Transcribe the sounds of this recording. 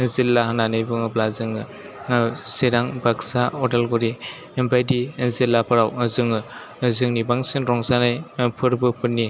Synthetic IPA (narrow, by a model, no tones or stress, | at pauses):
zilːahananɯjbɯŋɯblazɯŋɯ | seɾaŋbaksaɔdelɡuɾi | mbajdizilːapʰɯɾawzɯŋɯ | zɯŋnibaŋsinɾɔŋzanajpʰɯɾbɯpʰɯnːi